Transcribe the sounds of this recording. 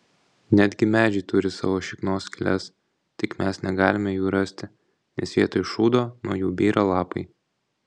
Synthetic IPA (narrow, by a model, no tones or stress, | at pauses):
nʲæd̪ʲɡʲɪmʲæːd͡ʒʲɛɪt̪ʊɾʲɪsɑ̰ːʋoːʃʲɪknoːskʲɪlʲɛs | t̪ʲɪkmʲæsnʲɛɡɑːlʲɪmʲɛjuːɾɐsʲt̪ʲɪ | nʲɛsʋʲiɛt̪ɐɪʃuːd̪oːnuɔjuːbʲiːɾɐlˠɑːpɐɪ